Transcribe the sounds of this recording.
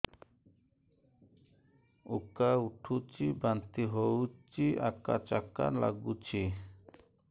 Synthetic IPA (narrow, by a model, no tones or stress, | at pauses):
ukauʈʰut͡ɕʰibant̪iɦowt͡ɕiaka̰t͡ʃakːa̰ɾla̰ɡut͡ɕʰi